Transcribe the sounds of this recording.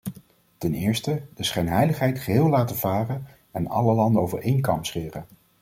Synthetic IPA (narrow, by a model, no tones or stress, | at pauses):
tɛnɪːɹstəd̥əsχɛjnɦɛjləχɦɛjtχəɦɪːlˠaːtəvaːrən | ɛnɑ̰ləlɑndəowvə̰ɹʔejnkɑ̰mpsχɪːrə